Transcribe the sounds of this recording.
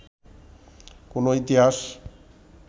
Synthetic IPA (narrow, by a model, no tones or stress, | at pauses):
konoit̪iɦaʃ